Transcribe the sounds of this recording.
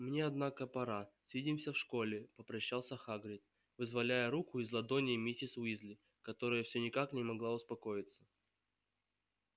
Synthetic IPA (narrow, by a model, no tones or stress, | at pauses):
mnʲeɐd̪nakəpɐɾasʲvʲidʲɪmsʲəfʂko̞lʲɪpəpɾɐɕːalˠsʲəxaɡɾʲɪt̪̚ | vɨzvɐlʲæjəɾukʊɪzlˠɐd̪o̞nʲɪːmʲitʲɪswizlʲɪ | kɐt̪o̞ɾəjəfsʲonʲɪkaknʲɪmɐɡlˠaʊspɐko̞jɪt̪sə̥